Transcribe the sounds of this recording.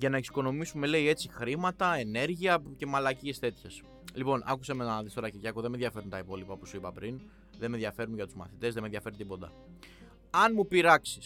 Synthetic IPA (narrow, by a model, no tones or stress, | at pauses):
ʝɐnɐeksi̥ko̞no̞misume̞le̞ie̞t͡sixɾimɐt̪ɐe̞ne̞ɾʝiɐce̞mɐlɐcie̞st̪e̞t̪çes | lipo̞nʔɐ̰kusemenɐðist̪oɾɐcilʝɐkoðemeðʝɐfe̞ɾunt̪ɐipo̞lipɐpu̥suipɐpɾin | ðe̞meðjʝɐfe̞ɾunʝɐt̪uzmɐ̰θit̪e̞zðemeðʝɐfe̞ɾent̪eibo̞nd̪ɐ̰ | ɐnmupiɾɐksi̥s